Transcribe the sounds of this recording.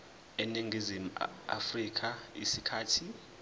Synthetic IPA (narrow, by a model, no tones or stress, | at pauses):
ɛniŋɡʱizim̩a̰frik̬ʰʼaisikʰaːtʰi